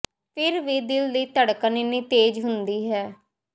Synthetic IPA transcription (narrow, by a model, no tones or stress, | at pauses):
pʰɪɾʋiːd̪ɪld̪iːt̪əɽkneniːt̪eːd͡ʒɦʊnd̪iːɦɛː